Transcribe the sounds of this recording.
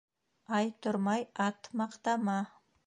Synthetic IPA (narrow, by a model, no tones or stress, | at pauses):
ɑjt̪ʰʊɾmɑjɑt̪mɑqt̪ɑmɑ